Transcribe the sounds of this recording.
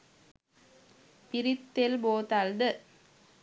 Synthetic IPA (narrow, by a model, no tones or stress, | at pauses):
pɪɾɪt̪ːelboːt̪ald̪ɯ